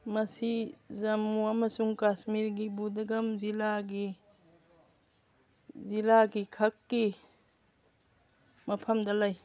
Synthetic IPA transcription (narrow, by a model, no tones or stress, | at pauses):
mɐsizɐmuɐmɐsuŋkasmiɾɡibudɐɡɐmzilaɡi | zilaɡikʰakːi | mɐpʰɐmdɐlaj